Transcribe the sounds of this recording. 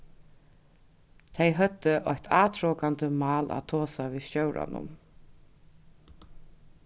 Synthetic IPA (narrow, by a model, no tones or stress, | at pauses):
t̪ʰejɦœt̪ːəʔɔjht̪ʰaːt̪ʰɾɔːkant̪əmɑːla̰t̪ʰoːsaviːsœwɾʔa̰nʔʊ̰m